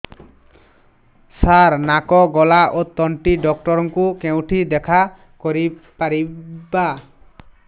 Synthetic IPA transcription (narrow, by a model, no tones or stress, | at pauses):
saɾnakɔɡɔlaʔot̪ɔɳʈiɖɔk̚ʈɔɾɔŋkukew̃ʈʰid̪ɛkʰa | kɔɾipaɾiba